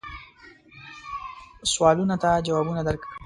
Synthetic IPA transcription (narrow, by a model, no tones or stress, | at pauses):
swɑlunat̪ad͡ʒawɑːbunad̪aɾk